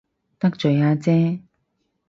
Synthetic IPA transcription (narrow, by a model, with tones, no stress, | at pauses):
t̪ɐ˥k̚t͡ʃɵ˨˩jaː˧t͡sɛː˦˥